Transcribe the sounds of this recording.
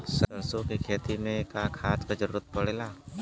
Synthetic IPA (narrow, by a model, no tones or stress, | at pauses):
səənsokikʰeːt̪imẽkakʰaːt͡ʃkəd͡ʒəɾːət̪̚pəɽeːlaː